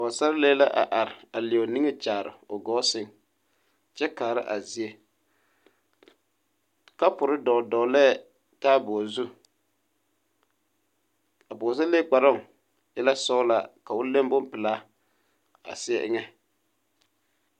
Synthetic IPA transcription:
ɔ˨sa˦ɾleː˦la˦ʔa̰˨ʔa˨ɾɪ˨a˨lɪ˨o˨ni˦ŋɛ˦t͡ʃaː˨ɾɪ̰˨ʊ˨ɡɔː˦sɪ˦ŋ | t͡ʃɛ˦kaː˨ɾɪ̰˦ʔa˨zi˨e˦ | ka˦pʊ˨ɾɪ˦dɔ˨dɔ˨lɛ˦˨ | taː˦bɔ˨zu˦ | a˨bʊ˨zʊ˦le˦k͡pa˨ɾɔ˦˨ŋ | jɛ˦la˦sɔ˦ʊ˦la˦ka˨wʊ˦le˦mbʊ˦mpɪ˨laː˦ | a̰˨sɪ˦ɛ˦ʔɪ̰˦ŋɛ˦

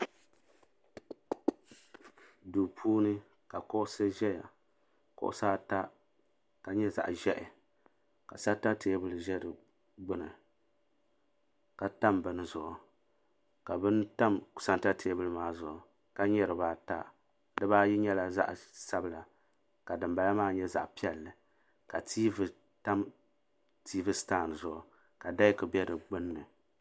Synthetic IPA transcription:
du˨pʰuː˦nɨ˦ | ka˨kʊ˦ʔʊ˦sɨ˦ʒɛ˦ja̰˨ | kʊ̰˦ʔʊ̰˦saː˦ta˦ | ka˨ɲɛ˦za̰˨ʔʒɛ˦ʔɪ˨ | ka˨sa˦ta˦tʰeː˦bɨ˦lɨ˨ʒɛ˦dɨ˨ | ɡ͡bɨ˦nɨ˨ | ka˨ta˦mbɨ˨nɨ˨zʊ˨ʔʊ˨ | ka˨bɨ˦nta˦mksa˨nta˦tʰeː˦bɨ˦lɨ˦maː˦zʊ˨ʔʊ˨ | ka˦ɲɛ˦ɾɨ˨baː˦ta̰˦ | dɨ˦baː˦ji˦ɲɛ˦la˨za̰˦ʔsa˦bɨ˦la˨ | ka˨dɨ˨mba˨la˦maː˦˨ɲɛ˦za̰˨ʔpi˦ɛ˨lːɨ˨ | ka˨tiː˦v | ta˦m | tʰiː˦vɨ˦staː˦˨nɨ˨zʊ˨ʔʊ˨ | ka˨da˦jkɨ˨bɛ˦dɨ˨ɡ͡bɨ˦nː˦ɨ˨

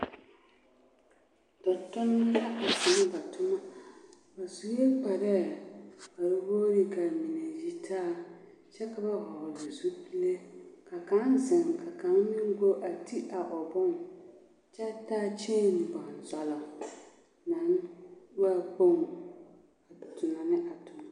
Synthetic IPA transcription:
dɔ˨tʊ˦na˦la˦a˨sa˨˦ŋ˦ba˨tʊ˦ma˦ | ba˨zu˦je˦k͡pa˨ɾɛ˦ | a˨ɾwoː˦ɾɪ˦ɡa˨mi˨ne˨ji˦tʰaː˦ | t͡ʃɛ˦ka˨ba˦wa˨la˨zu˦pi˦le˦ka˨ka˨˦nzɪ˨ŋka˨ka˨˦mɪ˦ŋ˦ɡo˦ʔa˨ti˦ʔa˨ʔɔ˨bɔ˦ŋ | t͡ʃɛ˦taː˦t͡ʃɛ˦˨m˨ba˨nzɔ˨lɔ˨ | na˨˦nwa˦˨k͡po˦ŋ | a˨tʰʊ˨na˨nɪ˦ʔa˨tʊ˨ma˦˨

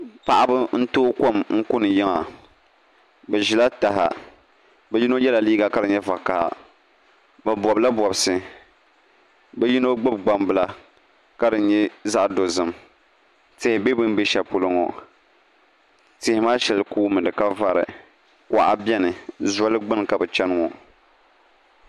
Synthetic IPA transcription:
pa˨ʔa˦bɨ˦n̩˦toː˦ko˦˨mŋ̩˦kʊ˦nɨ˨jɪ˦ŋa˨ | bɛ˨ʒi˨la˦ta˨ɦa̰˨ | bɛ˦ji˦no˦jɛ˦la˨liː˦ɡa˨ka˦dɨ˨ɲɛ˦va˨ka̰˨ | bɛ˨bɔ˨bla˦bɔ˨bsɨ˨ | bɛ˦ji˦no˦ɡ͡bɨ˦b̚ɡ͡ba˨mbɨ˦la˦ | ka˦dɨ˨ɲɛ˦za˦ʔdo˨zɨ˨m | tɪ˨hɪ˨be˦bɨ˦n˦be˦ʃɛ˨pʊ˨lɨ˦ŋɔ̰˨ | tɪ˨hɪ˨maː˦ʃɛ˨lɨ˨kuː˦mɨ˨dɨ˨ka˦va˦ɾɨ̰˨ | kʷʔa̰˨bʲɛ˦nɨ˨za˦lɨ˦ɡ͡bɨ˦n˨ka˨bɛ˨t͡ʃɛ˦n˦ŋɔ˨

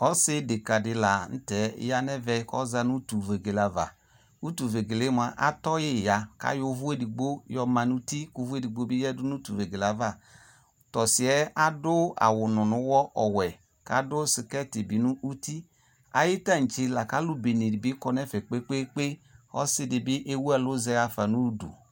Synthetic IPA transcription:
ɔ˦sɪ˦de˨ka˨dɪ˧la˨n̩˦tɛ̰˨˦ja˦nɛ˦vɛ˧˦kɔ̰˦za˧nu˦tu˨ve˨ɡe˨la˨va̰˨ | u˦tu˨ve˨ɡe˨le˨˦m˧a˧˨ʔa̰˦tɔ˦je˦˨ja˨ka̰˨˦jo˧˦vu˦e˦di˨ɡ͡bo˦jɔ˧ma˧nu˦ti˦ku˧˦vu˦e˦di˨ɡ͡bo˦bi˦jɛ˦du˦nu˦tu˨ve˨ɡe˨la˨˦va˦˨ | tɔ˨si˨ɛ˦a˦dʊ˦a̰˨wʊ˨nʊ˨nʊ˨˦wɔ˦ʔɔ˨wɛ˨ | ka̰˨˦dʊ˦sɪ˨kɛ˦˨ti˨bi˨nu˦ʔu˦ti˦ | a̰˨ji˦ta˦˨n̩˨t͡ʃe˧la˨ka˨˦lu˦be˨ne˨di˨bi˨˦kɔ˧nɛ˦fɛ˨k͡pe˦k͡pe˦k͡pe˦ɔ̰˦sɪ˦dɪ˧bi˦ʔe˦wu˦a˦˨lo˦zɛ˧˦ja˧fa˨nu˦dṵ˨

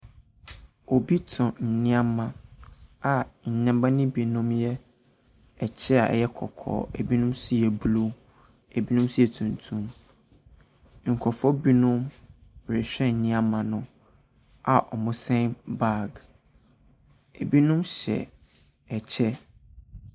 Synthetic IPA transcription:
o˨bi˦tʰɔ̃˨n̩˨nɪ̃˦a˦mã˦ | a˨ɲ̩˨ɲɛ̃˦mbã˦nɪ̃˦bi˨nʊ̃˦mjɛ˦ | ɛ˨t͡ɕʰɛ˦a̰˨ɛ̰˨jɛ˦kʰɔ̰˨kʰɔ̰ː˦˨ḛ˨bi˦nʊ̃˦msi˦ɛ˨blu˦ | e˨bi˦nʊ̃˦msi˦ɛ˨tʰũ˨ntʰũ˦m | ŋ̩˨kʰɔ˨fɔ˦bi˦nʊ̃˦m˨ | ɾɛ˨ɕᶣɛ̃˦˨nĩ˦ã˦mã˨nʊ̃˦ | a˨ʔɔ˨mʊ̃˦sɛ̃˦nba˦˨ɡ | e˨bi˦nʊ̃˦mɕɛ̰˨ | ɛ˨t͡ɕʰɛ˦

